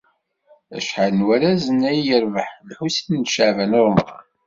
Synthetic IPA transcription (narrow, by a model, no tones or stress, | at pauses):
æ̰ʃħalnwæɾæzənæjjəɾvəħlħusinʃəʕvænoɾˤməɾˤ